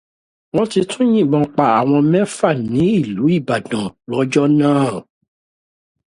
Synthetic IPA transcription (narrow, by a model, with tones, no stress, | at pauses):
w̃ɔ̃˦ti˧tʰũ˦j̃ĩ˦˨mɔ̃˧k͡pa˨a˨w̃ɔ̃˧mɛ̃˦fa˦˨nĩ˨˦i˦˨lu˨˦i˦˨ba˨dã˨lɔ˨˦d͡ʒɔ˦nãː˦˨